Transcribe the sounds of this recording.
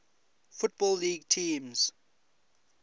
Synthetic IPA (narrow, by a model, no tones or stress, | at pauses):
fʊt̚b̥ɔlːiːɡtʰĩːmz̥